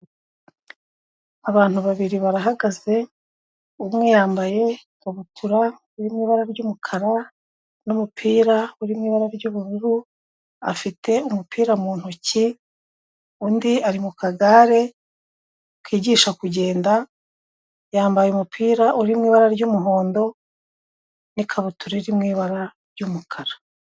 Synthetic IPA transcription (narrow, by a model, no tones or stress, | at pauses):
aβaːn̥uβaβiɾiβaɾaɦaɡaze̞ | umŋe̞jaːmbaje̞ | uβutʰuɾa | uɾimŋiːβaɾaɾɟumukʰaɾa | numupʰiːɾauɾimŋiːβaɾaɾɟuːβuɾuɾu | a̰fitʰe̞umupʰiːɾamuːn̥huci | undiaɾimukaɡaɾe̞ | kwiːɟiːʃakuɟe̞ːnda | jaːmbajeumupʰiːɾaʔuɾimŋiːβaɾaɾɟumuɦo̞ːndo̞ | nikʰaβutuɾeɾimŋiːβaɾaɾɟumukʰaɾḁ